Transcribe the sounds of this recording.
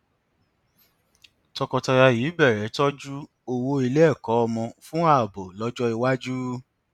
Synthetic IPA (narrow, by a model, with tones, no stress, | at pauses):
tɔ˧kɔ˧tɔ˧ja˧jiː˨˦bɛ˦˨ɾɛ˨˦tɔ˦d͡ʒu˦ | o˧wo˦i˧le˦ɛ˦˨kɔ˨˦ɔ˧mɔ̃˧fũ˦a˦˨bo˨lɔ˦d͡ʒɔ˦i˧wa˦d͡ʒu˦